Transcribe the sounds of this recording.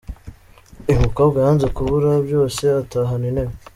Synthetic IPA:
imukobɡajanzekuβuɾabjo̞ːse̞ataɦaninem

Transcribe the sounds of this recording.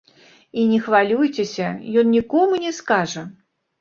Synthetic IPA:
inʲɛxvalʲujt͡sʲesʲɐjɔnnʲikɔmunʲɛskaʐɐ

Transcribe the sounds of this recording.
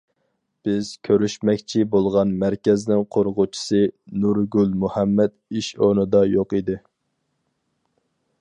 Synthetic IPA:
b̥ɪz̥kʲʰøɾyʃmɛkʲt͡ʃʰibolˠʁɑnmæɾkʲɛznɪŋqʰoɾʁʊt͡ʃʰi̥sɨnuɾɡʲylmuhɛmːɛt̪iʃonɨd̪ɑjoqid̪ɪ

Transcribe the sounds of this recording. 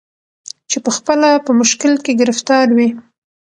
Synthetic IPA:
t͡ʃepəxpəlapəmʊʃkɪlkeɡɪɾɪft̪ɑɾwi

